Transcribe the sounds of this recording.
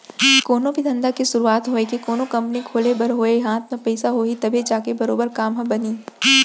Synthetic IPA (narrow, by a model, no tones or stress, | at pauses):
koːnõbʱid̪ʱɐ̃nd̪akisʊɾuaːt̪ɦoːekikoːnõkɐ̃mpnikʰoːlebɐɾɦoːeɦãːt̪mẽpɛːsaɦoːit̪ɐbʱed͡ʒaːkebɐɾoːbəɾkaːmɦɐ̃bɐniː